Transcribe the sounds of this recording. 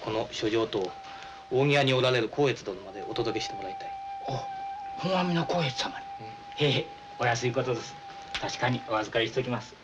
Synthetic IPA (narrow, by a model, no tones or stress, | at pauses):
ko̞no̞ɕo̞ʑo̞ːt̪oː | oːŋʲiaɲ̟io̞ɾaɾe̞ɾɯ̟kʰo̞ːe̞t͡sɨd̪onomad̪e̞ʔo̞t̪o̞d̪o̞ke̞ɕi̥t̪e̞mo̞ɾait̪aiohõɰãmʲinoko̞ːet͡sɨ̥samad̪e | hee | o̞jas̬ɨiko̞t̪o̞d̪e̞sɨ̥ | t̪aɕi̥kaɲ̟io̞azɨkaɾiɕt̪ekʲimasɨ̥